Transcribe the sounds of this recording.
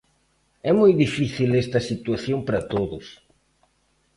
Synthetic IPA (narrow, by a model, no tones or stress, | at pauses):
ɛmojðifiθilest̪ɐsit̪waθjompɾɐt̪oðʊs